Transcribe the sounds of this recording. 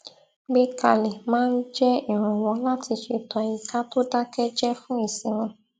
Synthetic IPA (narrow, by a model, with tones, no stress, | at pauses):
ɡ͡be˦ka˨le˨mãː˦n̩˦d͡ʒɛ˦i˨ɾ̃ʊ̃˨wɔ̃˨˦la˦ti˧ʃe˨tɔ˨i˨ka˦to˦da˦kɛ˦d͡ʒɛ˦fʊ̃˦i˨sĩ˨ɾ̃ʊ̃˧